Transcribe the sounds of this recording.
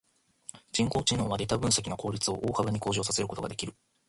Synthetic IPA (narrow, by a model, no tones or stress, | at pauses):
d͡ʑĩŋko̞ːt͡ɕinoːβad̪e̞t̪abɯ̟̃ɰ̃s̬ak̬ʲinoko̞ːɾʲit͡sɨo̞ʔoːhabaɲ̟iko̞ːʑo̞ːsase̞ɾɯ̟ko̞t̪o̞ɡad̪ekʲiɾɯ̟